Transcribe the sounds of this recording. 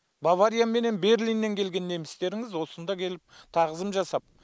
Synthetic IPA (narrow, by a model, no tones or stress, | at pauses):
bavaɾijame̞ne̞nbe̞ɾlijnːe̞ŋkʲʰe̞lɡʲe̞nːe̞mɪst̪e̞ɾɪŋɪzwo̞sənd̪ɑkʲʰe̞lɪp̚t̪ʰɑʁəzəmʒɑsɑp̚